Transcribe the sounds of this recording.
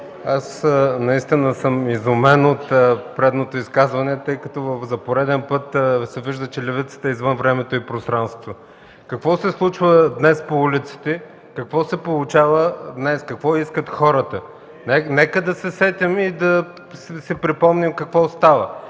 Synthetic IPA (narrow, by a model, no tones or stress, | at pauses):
asnɐist̪inəsəmizʊmɛnot̪pɾɛd̪not̪oiskazvɐnɛt̪ɤjkət̪ɔvəfzɐpoɾɛd̪ɛnpɤt̪sɛviʒd̪ət͡ʃɛlʲɛvit̪sə̥t̪ɐɛizvənvɾɛmɛt̪oipɾost̪ɾanst̪o̥tvo | kɐkvɔsɛslˠut͡ʃvəd̪nɛspoulʲit̪si̥t̪ɛ | kɐkvɔsɛpolˠut͡ʃavəd̪nɛskɐkvɔiskət̪xɔɾət̪ə | nɛnɛkəd̪ɐsɛsɛt̪ʲimid̪ɐ | ssɛpɾipɔmnimkɐkvɔst̪avə